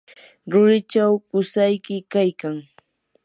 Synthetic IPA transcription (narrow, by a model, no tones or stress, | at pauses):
ɾʊɾɪt͡ʃawkʊsajkɪkajkaŋ